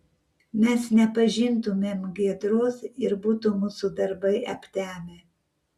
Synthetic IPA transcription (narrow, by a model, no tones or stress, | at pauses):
mʲɛsnʲɛpɐʒʲɪnt̪ʊmʲeːmɡʲiɛd̪ɾoːsɪɾbuːt̪ʊmuːsʊd̪ɐɾbɐɪɐpʲt̪ʲæːmʲe